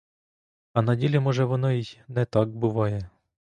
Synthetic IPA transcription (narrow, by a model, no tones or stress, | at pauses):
ɐnɐdʲilʲimɔʒɛʋɔnɔjijnɛt̪ɑɡbʊʋɑjɛ